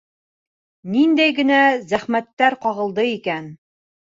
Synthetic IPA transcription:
nind̪æjɡɘ̆næzæχmæt̪ːæɾqɑʁɤ̆lˠd̪ɤikæn

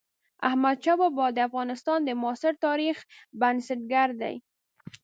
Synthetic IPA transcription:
a̰hmad̪̚t͡ʃabɑbɑd̪əafɣɑnɪst̪ɑnd̪əmːsɪɾt̪ɑɾixbansɪʈ̚ɡaɾd̪a̰j

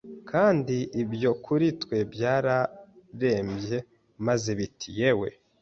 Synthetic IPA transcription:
kʰaːndiʔibjo̞kʰuɾitwe̞bjaːɾaɾe̞ːmbje̞ | mazeβitʰije̞we̞̰

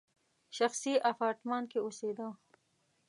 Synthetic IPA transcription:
ʃaxsiʔafɑːɾt̪mɑːnkeosed̪a

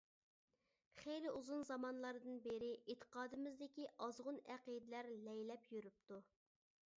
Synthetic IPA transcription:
χejlɪʔuzunzɑmɑnlˠɑɾɨd̪ɨnbeɾɪʔet̪ʰːə̥qɑːd̪ɨmɪzd̪ɪkʲiʔɑzʁʊnæqid̪ɪlæɾlɛjlɛpjyɾyp̚t̪u

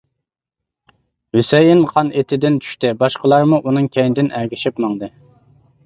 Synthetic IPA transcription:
hysɛjɪnqʰɑnet̪ʰɪd̪ɪnt͡ʃʰy̥ʃt̪ɪbɑʃqəlˠɑɾmuʔunɨŋkʲʰɛjnd̪ɪnʔæɾɡʲɪʃɪpmɑŋd̪ɨ

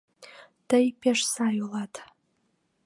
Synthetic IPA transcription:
d̥ajpʲʰeʂsaːjulatʰ

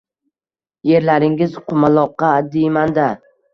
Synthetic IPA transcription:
je̞ɾlaɾɪŋɪzqʰʊmalˠɒqːɑd̪ejmand̪a

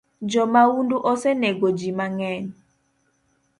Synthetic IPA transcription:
d͡ʒɔmawunduʔɔsɛnɛɡod͡ʒimaŋɛn

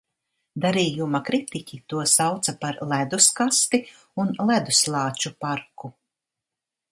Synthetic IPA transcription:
d̪aɾiːjumakɾit̪ikʲit̪uɔsawt̪sapaɾlˠæd̪uskast̪i | unlˠæd̪uslˠɑːt͡ʃupaɾku

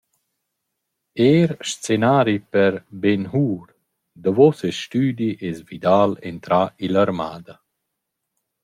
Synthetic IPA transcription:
eːɾʃt͡senaːɾipəɾbenɦuːɾ | d̪əvɔsɛʃt̪yːd̪iʔɛsvid̪aːlḛnt̪ɾaʔilaɾma̰ːd̪a

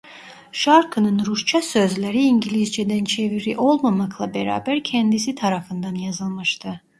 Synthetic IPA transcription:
ʃaɾkʰɯnɯnɾuʃt͡ʃʰasøzlʲeɾiːɲɟilʲizd͡ʒed̪ænt͡ʃʰeviɾiʔo̞lˠmamaklˠabeɾa̰ːbæɾcʰɛnd̪isit̪ʰaɾafɯnd̪anjazɯlˠmɯʃt̪ʰɯ

